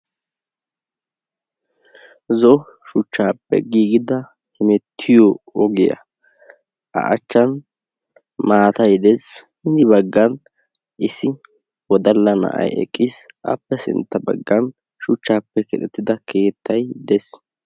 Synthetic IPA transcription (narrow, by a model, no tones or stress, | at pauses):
zɔ | ʃʊt͡ʃːaːpːɛ̰ɡiːɡɪd̪ɐ | hɛmɛt̪ʰːɪjɔɔɡɪjɐ̰ | ʔɐ̰ʔɐt͡ʃːɐn | maːt̪ɐjd̪ɛshɪnɪbɐɡːɐn | ʔɪsːɪ | wɔd̪ɐlːɐnɐ̰ʔɐ̰jɛ̰kʼːɪsʔɐ̰pːɛsɪ̰nt̪ːɐbɐ̰ɡːɐn | ʃʊt͡ʃːaːpːɛkɛᶑ̪ɛt̪ːɪd̪ɐkʰe̞ːt̪ːɐjd̪ɛs